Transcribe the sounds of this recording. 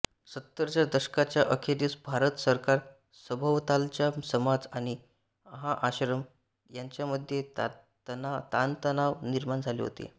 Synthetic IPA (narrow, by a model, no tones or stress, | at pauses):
sət̪ːəɾt͡ɕjad̪əɕkat͡ɕjaʔəkʰed̪iːsbʱaɾət̪səɾkaɾ | səbʱəʋt̪alt͡ɕjasəmad͡zaɽ̃i | əɦaʔaɕɾəm | jaɲt͡ɕjaməd̪ʱːje | nat̪ant̪ənaʋniɾmand͡zʱalḛɦo̰t̪ḛ